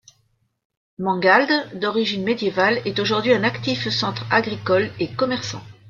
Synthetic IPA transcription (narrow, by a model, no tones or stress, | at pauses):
mɑ̃ɡald̪d̪ɔʁiʒinmed̪jevalɛt̪oʒuʁd̪ɥiɛ̃nakt̪ifsɑ̃t̪χaɡʁikɔlekɔmɛʁsɑ̰̃